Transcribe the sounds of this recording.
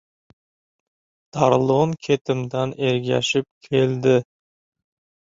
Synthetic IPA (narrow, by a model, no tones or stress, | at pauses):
d̪̥ɑɾlˠonkʲʰet̪ɪmd̪aneɾɡʲæ̰ʃɪp̚kʲʰeld̪ɪ